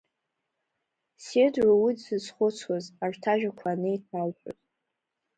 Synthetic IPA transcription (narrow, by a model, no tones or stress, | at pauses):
sedrawidzɨzχʷʊt͡sʰwazarᶣtʰaʒᶣakʷʰanɨjtʰalpʷʰʊ̰z